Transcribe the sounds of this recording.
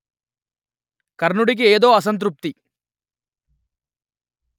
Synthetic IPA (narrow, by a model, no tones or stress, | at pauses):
kɐɾɳuɽik̬ieːd̪o̞ːɐs̬ɐnt̪ɾup̚t̪i